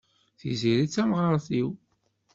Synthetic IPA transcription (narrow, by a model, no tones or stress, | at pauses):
θḭziɾit͡sːæmʁəɾˤθiw